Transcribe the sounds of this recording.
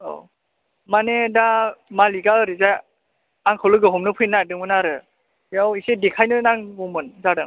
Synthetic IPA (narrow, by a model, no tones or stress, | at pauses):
o̰ | manedamaliɡaɯɾizaj | aŋkʰɯlɯɡɯɦɔmnɯpʰɯjnːadɯŋmɯnaɾɯ | jawisedekʰajnɯnaŋumɯnzaɾɯŋ